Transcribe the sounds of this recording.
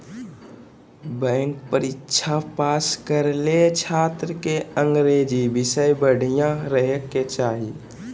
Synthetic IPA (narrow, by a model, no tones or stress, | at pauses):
bɛ̃ːŋkpəɾɪtːʃʰapaːskəɾlet͡ʃʰaːt̪ɾəkeə̃ŋɡɾeːd͡ʒibɪsəjbəɽ̤ʱijãɾəɦkːet͡ʃaːɦi